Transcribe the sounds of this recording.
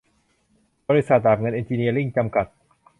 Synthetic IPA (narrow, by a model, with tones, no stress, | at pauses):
bɔː˧ɾi˧˥sa˨˩t̪̚ɾaː˨˩ŋɤ˧nʔe˧nt͡ɕiː˧ni˧ɐɾi˥˩ŋt͡ɕa˧mka˨˩t̪̚